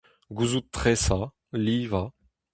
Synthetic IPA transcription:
ɡuzut̪ːχɛsa | liːva

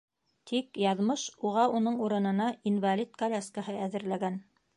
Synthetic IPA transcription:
t̪ʰikjɑðmɤʃuʁɑunɤɴuɾɤ̆nɤ̆nɑinvalʲit̪kɐlʲaskəhɤæðɘ̆ɾlæɡæn

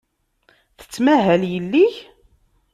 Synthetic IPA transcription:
θə̥t͡sːmæɦæljəlːiç

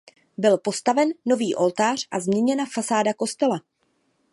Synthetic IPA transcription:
bɪlpo̞st̪avɛnːo̞viːʔo̞lt̪aːr̝̥ʔazmɲɛɲɛnafasaːdako̞st̪ɛla

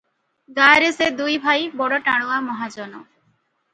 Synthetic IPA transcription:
ɡaɾesed̪ujbʱajbɔɽɔʈaɽ̃uamɔɦad͡ʒɔnɔ̰

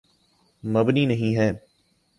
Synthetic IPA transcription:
məbniːnɐɦĩːɦɛː

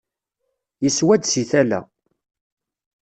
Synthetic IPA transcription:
jəswæd̪siθælæ̰

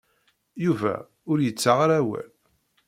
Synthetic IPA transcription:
juvæ̰ | ʊɾjət͡sːaʁaɾæwæ̰l

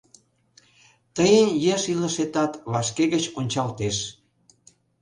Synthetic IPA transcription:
t̪əjənjeʃiləʃet̪ɑt̪βɑʃkeɣət͡ɕonʲt͡ɕɑlt̪eʃ

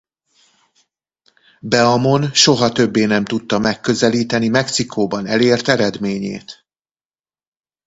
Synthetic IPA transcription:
bɛɒmo̞nʃo̞ɦɒt̪ø̞bːeːnɛmt̪ut̪ːɒmɛkːø̞zɛliːt̪ɛnimɛksikʰoːbɒnɛleːrt̪ɛɾɛd̪meːɲḛːt̪

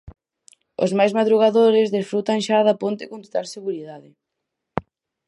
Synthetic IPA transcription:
ʊ̰zmajzmaðɾuɣ̞aðoɾɪzðesfɾut̪aŋʃaðapont̪ɪkont̪o̥t̪alseɣuɾiðaðɪ

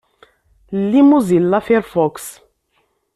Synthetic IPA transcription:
limuzilːafɛɾfɔks

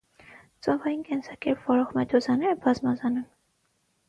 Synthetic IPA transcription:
t͡sɔvɑjinkɛnsɑkɛɾpʰvɔɾɔχmɛd̪ɔzɑnɛɾəbɑzmɑzɑnun

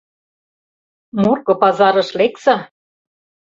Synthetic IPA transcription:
murkŏpɑzɑɾɤ̆ʃlek̚sɑ

